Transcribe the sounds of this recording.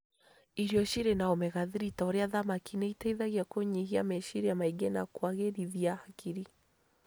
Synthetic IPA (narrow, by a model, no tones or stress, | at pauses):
iɾjɔʃiɾenaɔmɛɣaðiɾitaoɾeaðamakineitaiðaɣiakoɲiɦiamɛʃiɾeamaiɡena̰kwaɣeɾiðiahakʰiɾi